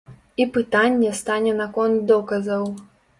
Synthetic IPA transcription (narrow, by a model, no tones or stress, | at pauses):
ipɨt̪anʲːɛst̪anʲɛnakɔnt̪̚d̪ɔkɐzɐw